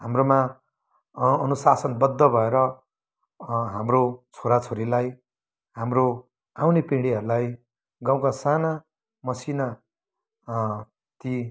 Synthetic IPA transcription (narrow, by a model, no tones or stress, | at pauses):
ɦamroma | ʌnusasʌnbʌd̪ʱːʌbʱʌeɾʌ | ɦamrot͡sʰoɾat͡sʰoɾilaj | ɦamro | awnepeɽiɦʌɾulaj | ɡaw̃kasana | mʌsina | t̪i